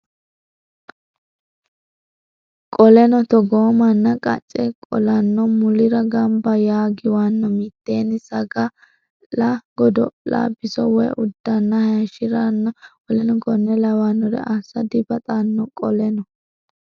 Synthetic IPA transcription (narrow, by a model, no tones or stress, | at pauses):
kʼɔlɛnɔt̪ɔɡoːmɐnːɐkʼɐ̰t͡ʃʼːɛkʼɔ̰lɐnːɔmʊlɪɾɐɡɐmbɐjaːɡɪwanːɔmɪt̪ːeːnɪsɐɡɐ | lɐɡɔd̪ɔ̰la̰bɪsɔwɛjʔʊd̪ːɐnːɐhɐʃɪɾɐnːɐwɔlɛnɔɡɔnːɛlɐwanːɔɾɛ̰ʔɐsɐd̪ɪbɐt̪ʼanːɔkʼɔlɛnɔ